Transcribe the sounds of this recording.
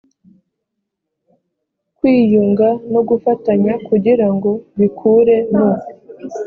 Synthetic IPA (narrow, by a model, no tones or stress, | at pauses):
kwiːjuŋɡano̞ɡufataɲakuɟiɾaŋɡo̞βikʰuːɾe̞numo